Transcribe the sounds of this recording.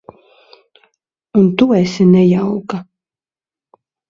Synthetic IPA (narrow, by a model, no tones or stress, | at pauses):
unt̪uːɛsʲinɛjawka